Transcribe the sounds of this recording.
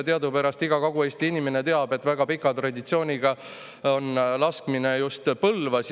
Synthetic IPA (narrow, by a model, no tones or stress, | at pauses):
t̪eɑd̪upæɾɑst̪iɡ̥ɑkoɡ̥ue̞ːst̪iinime̞ne̞t̪e̞ɑbe̞t̪ːˑvæɡ̥ɑpikːˑɑt̪rɑd̪it̪sio̞ːnʲiɡ̥ɑ | o̞nlɑskmine̞just̪pɤlvɑs